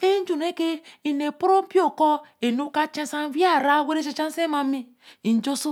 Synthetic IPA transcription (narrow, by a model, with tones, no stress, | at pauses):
e˦n˦d͡ʒu˨ne˦ke˦i˨ne˨po˦ɾo˦m̩˦pi˦o˨kɔ˦e˨nu˦ka˦t͡ʃẽ˦sa˦n˦vi˦a˦˨ɾa˦˨we˦ɾe˦t͡ʃa˦˨t͡ʃa˦n˦se˦ma˨˦mi˦ | i˨n˨d͡ʒo˦su˦